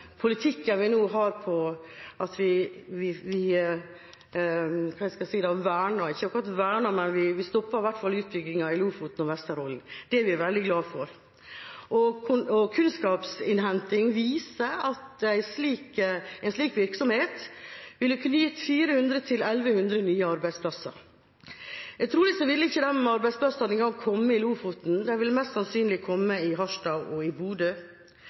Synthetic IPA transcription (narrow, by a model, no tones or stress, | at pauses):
pʰʊlɪt̪ʰɪkːənʋɪnuːɦɑːɾpʰɔʔɑt̪ʋɪʋɪʋɪ | kʰɑːæskɑsiːəd̪ɛʋæːɳɑɪçːəɑkɾɑt̪ʋæːɳɑmɛnʋɪʋɪst̪ɔpːɑɾɪʋæʈːfɑlʉːt̪̚bʏɡːɪŋɑɪlʉːfʊt̪n̩ɔʋɛst̪əɾɔln̩d̪̥ɛæɾʋɪæɾʋɛld̪ɪɡlɑːfɔɾ | ʔɔkʰʊɔkʰʉnskɑːpsɪnɦɛnt̪ɪŋʋiːsəɑt̪æɪsliːkæɪnsliːkʋɪɾksɔmheːt̪ʋɪlːəkʰnːjɪt̪ːfiːɾəhʉnd̪ɾət̪ʰɪlɛlʋəhʉnd̪ɾənyːəɑɾbæɪspʰlɑsɑ̰ɾ | æɡt̪ʰɾuːlɪsɔʋɪlːəɪçːəd̪ɛnɑɾbæɪsplɑsɑnɛŋɡɑŋkʰɔmːəɪluːfʊt̪n̩d̪ɛʋɪlmɛst̪sɑnsyːnlɪkʰɔmːəɪɦɑʂdɑːɡɔɪbuːd̪ə